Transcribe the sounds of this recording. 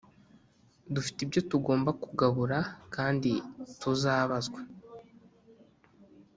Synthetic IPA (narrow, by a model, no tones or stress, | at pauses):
dufi̥tibjo̞tuɡo̞ːmbakuɡaβuɾakaːnditʰuzaːβazɡwa